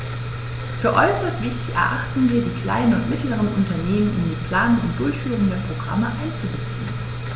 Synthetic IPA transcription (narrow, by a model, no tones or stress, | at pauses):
fyːɐʔɔʏsɐstv̥ɪçtɪçɛ̰ɐʔaχtn̩viːɐdiːkl̥a̰ɪnənʊntmɪtləʁ̞ənʔʊntɐneːmənʔʊmdiːpl̥aːnʊŋʊ̰nt̚d̥ʊɐçfyːʁʊŋdeːɐpʁ̥oɡʁa̰məʔaɪnt͡suzɛt͡sn̩